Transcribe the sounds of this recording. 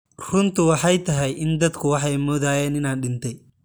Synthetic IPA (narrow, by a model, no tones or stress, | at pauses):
rʊnt̪ɪwɐħɐjt̪ɐɦɛjʔɪnd̪ɐd̪kʰʊwɐħɛjmɔðaːjɛːnɪnaːnɗɪnt̪ɛj